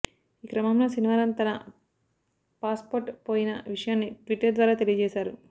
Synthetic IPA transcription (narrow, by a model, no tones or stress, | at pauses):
iːkɾɐmɐmloːsiniʋaːɾlɐnt̪ɐnɐ | paːspoːɾʈpoːjinɐ̰ʋiʂɐjaːnːiʈʋiʈːɐɾd̪ʋaːɾaːt̪e̞lijɐd͡ʒɛːʃaːɾu